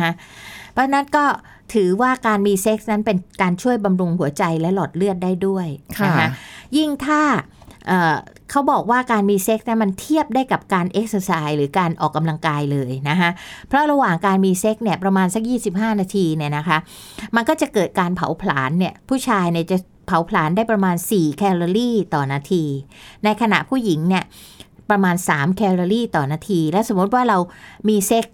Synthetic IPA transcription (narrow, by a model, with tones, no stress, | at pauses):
a˦˥ʔpʰɔ˦˥t͡ɕʰa˧na˦˥nkɔː˥˩ | t̪ʰɯː˨˩˦waː˥˩kaː˧nmiː˧se˦˥k̚na˦˥npe˧nkaː˧nt͡ɕʰu˥˩əjba˧mɾu˧ŋhu˩˦ɐt͡ɕa˧jlɛ˦˥lɔː˨˩t̪̚lɯ˥˩ət̪̚daː˥˩jdu˥˩əjʰna˦˥kʰa˦˥ji˥˩ŋt̪ʰaː˥˩ʔɤː˨˩ | kʰa˦˥wbɔː˨˩k̚waː˥˩kaː˧nmiː˧se˦˥k̚n˦˥ma˧nt̪ʰi˥˩əp̚daː˥˩jka˨˩p̚kaː˧nʔe˦˥k̚səː˧saː˧jɾɯː˩˦kaː˧nʔɔ̰ː˨˩kːa˧mla˧ŋkaː˧jlɤː˧jna˦˥kʰa˦˥ʔpʰɾɔ˦˥ɾa˧waː˨˩ŋkaː˧nmiː˧se˦˥k̚ni˥˩ɐpɾa˧maː˧nsa˦˥k̚jiː˥˩si˨˩p̚ɦaː˥˩naː˧t̪ʰiː˧ni˥˩ɐna˦˥kʰa˦˥ʔ | ma˧nkɔː˥˩t͡ɕa˨˩kɤː˨˩t̪̚kaː˧npʰa̰˨˦wpʰla̰ː˩˦nːi˥˩ɐpʰuː˥˩t͡ɕʰaː˧jni˥˩ət͡ɕa˨˩ | pʰa˩˦wpʰlaː˩˦ndaː˥˩jpɾa˧maː˧nsiː˨˩kʰɛː˧lo˧ɾiː˥˩t̪ɔː˨˩naː˧t̪ʰiː˧na˧jkʰa˧na̰˨˩ʔpʰuː˥˩ji˩˦ŋni˥˩ɐpɾa˧maː˧nsaː˩˦mkʰɛː˧loː˧liː˥˩t̪ɔː˨˩naː˧t̪ʰiː˧lɛː˦˥wso˨˩˦mːu˦˥t̪̚waː˥˩ɾa˧wmiː˧se˦˥k̚